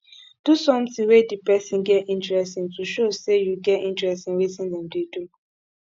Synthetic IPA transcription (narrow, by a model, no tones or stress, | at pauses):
d̥usɔ̃mtĩwedipɛsĩnɡɛtĩntɹɛstĩŋtuʃosejuɡɛtĩntɹɛstĩnwitĩndɛ̃mdedu